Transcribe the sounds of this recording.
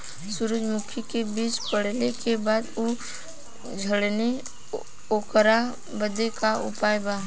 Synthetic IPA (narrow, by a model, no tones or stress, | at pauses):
sʊɾud͡ʒmʊkʰikebiːt͡ʃpəɽlekebaːd̪u | d͡ʒʱəɽne | okəɾa | bəd̪ekaʊ̰paːjbaː